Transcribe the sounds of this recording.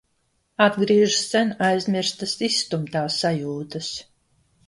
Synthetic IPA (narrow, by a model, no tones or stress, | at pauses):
ad̪ɡɾiɛʒsɛnajzʲmʲiɾst̪asisːt̪umt̪aːsːajuːt̪ɐs